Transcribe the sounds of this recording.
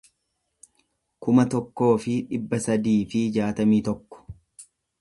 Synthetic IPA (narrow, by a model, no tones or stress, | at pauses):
kʊmɐt̪ɔkːo̞ːfɪᶑɪbːɐsɐd̪iːfɪd͡ʒaːt̪ɐmiːt̪ɔkːɔ̥